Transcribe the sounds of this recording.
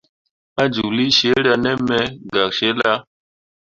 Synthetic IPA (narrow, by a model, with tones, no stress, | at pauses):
a˦d͡ʒu˨kli˦ʃe˨˦ɾa˨nɛ˦mɛ˦ɡa˨kʃe˦la˦